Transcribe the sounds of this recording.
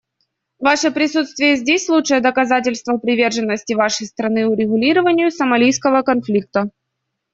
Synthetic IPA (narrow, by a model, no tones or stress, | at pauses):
vaʂəpɾʲɪsut̪st̪vʲɪjəzʲdʲesʲlˠutʂəjəd̪əkɐzatʲɪlʲst̪vəpɾʲɪvʲe̞rʐɨnːəsʲtʲɪvaʂəjst̪ɾɐnɨʊɾʲɪɣʊlʲiɾəvənʲɪjʊsəmɐlʲijskəvəkɐnflʲik̚t̪ə